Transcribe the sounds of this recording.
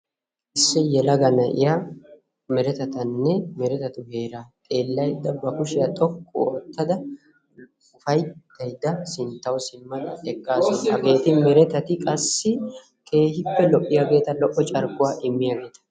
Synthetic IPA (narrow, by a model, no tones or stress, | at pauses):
ɪsːɛjɛlɐɡɐnɐʔɪ̰jaː | mɛɾɛt̪ɐt̪ɐnːɛmɛɾɛt̪ɐt̪ʊhe̞ːɾaːt̪ʼe̞ːlːɐjd̪ːɐbɐkʊʃɪjat̪ʼɔkʼːʊ̰ɔt̪ːɐd̪ɐ | ʊfɐjd̪ɐjd̪ːɐsɪnt̪ːɐwsɪmːɐd̪ɐɛkʼːaːsɔnhɐɡe̞ːt̪ɪmɛɾɛt̪ɐt̪ɪkʼɐsːɪ | kʰe̞ːhɪpːɛlɔʔʼːɪjaɡe̞ːt̪ɐlɔʔːɔt͡ʃʼɐɾɡʊwaːʔɪmːɪjaːɡe̞ːt̪ɐ̥